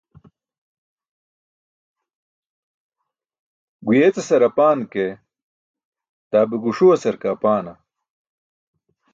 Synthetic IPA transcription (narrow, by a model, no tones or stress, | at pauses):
ɡujeːt͡sesɐɾɐpaːnke | t̪aːbeɡuʂuwɐsɐɾkaːpaːnɐ